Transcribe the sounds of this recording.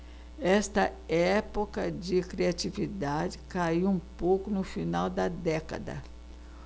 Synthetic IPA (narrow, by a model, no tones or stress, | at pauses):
ɛst̪ɐɛpokɐd͡ʒɪkɾiat͡ʃivid̪ad͡ʒɪkaiwũpowkʊnʊfinawd̪ɐd̪ɛkɐ̰d̪ɐ̰